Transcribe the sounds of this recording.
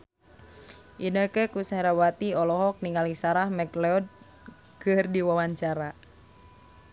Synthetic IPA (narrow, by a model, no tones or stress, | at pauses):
ʔinəkɛkusaɾawat̪iɔlɔɦɔk̚niŋalisaɾahmɛklɛɔd̚ | kɨrdiwawaɲt͡ʃaɾa